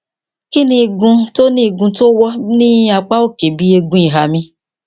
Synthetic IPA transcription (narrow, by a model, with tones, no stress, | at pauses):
ki˦nĩ˧˨ɡũ˧to˦nĩ˦˨ɡũ˧to˦wɔ˦nĩ˦a˨k͡pa˦o˦ke˨bi˦e˧ɡũ˦i˨ɦa˨mĩ˧